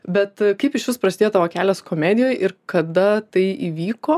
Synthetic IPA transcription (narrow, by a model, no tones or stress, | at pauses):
bʲɛt̪kɐɪpɪʃʋʲɪspɾrɐsʲɪd̪eːjot̪ɑːʋoːkʲæːlʲɛːskomʲæd̪ʲɪjoːjʔɪɾkɐd̪ɐt̪ɐɪʔiːʋʲiːkoː